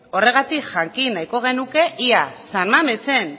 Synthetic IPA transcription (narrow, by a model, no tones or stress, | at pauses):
o̞re̞ɣ̞at̪ikʝaŋkinajko̞ɣ̞e̞nuke̞ʔiasanmamese̞n